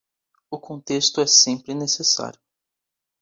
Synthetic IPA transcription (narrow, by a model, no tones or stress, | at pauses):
ʊkõnt̪est̪ʊɛsẽmpɾɪnesesa̰ɾjʊ